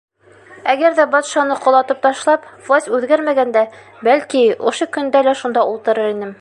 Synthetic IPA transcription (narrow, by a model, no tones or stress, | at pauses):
æɡæɾðæbɒt̪ʃɑnɤqŏlˠɑt̪ɤp̚t̪ɒʃlˠɑpvlˠosʲt̪ʲʉðɡæɾmæɡænd̪æ | bælkiŏ̰ʃɤkɵ̆nd̪ælæʃund̪ɑulˠt̪ɤ̆ɾɤɾinɘm